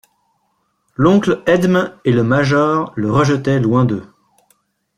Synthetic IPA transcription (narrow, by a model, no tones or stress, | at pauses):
lɔ̃klɛd̪meləmaʒɔʁləʁəʒət̪ɛlwɛ̃d̪ø